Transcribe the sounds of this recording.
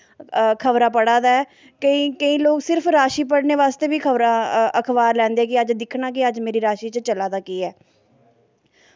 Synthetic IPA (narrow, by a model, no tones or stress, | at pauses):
kʰəʋɾaːpəɽaːd̪aːɛː | kəĩːkəĩːloːksɪɾpʰɾaːʃiːpəɽneːʋaːst̪eːbiːkʰəʋɾaːəkʰbaːɾlɛ̃ːnd̪eːɛːkɪəd͡ʒd̪ɪkʰnaːk̬ɪəd͡ʒmeːɾiːɾaːʃiːt͡ʃət͡ʃəlaːd̪aːkiːɛː